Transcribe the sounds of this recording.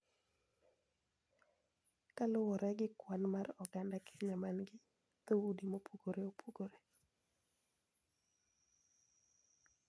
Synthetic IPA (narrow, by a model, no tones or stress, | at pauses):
kalʊwɔɾɛɡɪkwanmarɔɡandake̥ɲamanɡɪ | t̪owudimopuɡoɾeopʰuɡoɾe